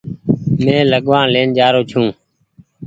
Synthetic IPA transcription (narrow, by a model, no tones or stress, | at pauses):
mẽːləɠʋãːnleːnd͡ʒaːɾoːt͡ʃʰũː